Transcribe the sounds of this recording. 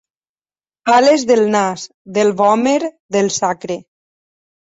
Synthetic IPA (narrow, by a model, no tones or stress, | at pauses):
palezðelˠnas | ðelˠβɔmeɾ | ðelˠsakɾe